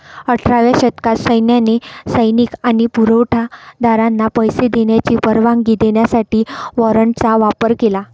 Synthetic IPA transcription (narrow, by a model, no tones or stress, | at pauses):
əʈʰɾaʋaɕət̪kat̪səjnjanesəjnikañipuɾəʋʈʰad̪aɾanːapəjsed̪eɳjat͡ɕiːpəɾʋãŋɡɡid̪eɳjasaʈiːʋɔɾəɳʈt͡saʋapəɾkela